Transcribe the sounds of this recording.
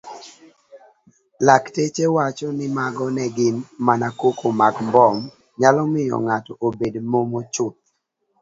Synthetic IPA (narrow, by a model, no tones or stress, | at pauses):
laktet͡ʃewat͡ʃɔnɪmaɡɔnɛɡɪnmanakokomaɡmbɔm | ɲalɔmɪjɔ̰ŋatɔʔobedmomot͡ʃʊt̪̚